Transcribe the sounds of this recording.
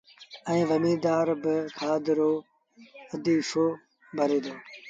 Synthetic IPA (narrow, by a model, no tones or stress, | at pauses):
ə̃ĩːʋəmiːd̪aːɾbɪkʰaːd̪ɪɾoː | əd̪iːfoː | bʱəɾeːd̪oː